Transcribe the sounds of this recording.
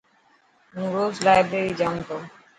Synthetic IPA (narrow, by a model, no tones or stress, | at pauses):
nuɾozlajbɾeɾid͡ʑant̪o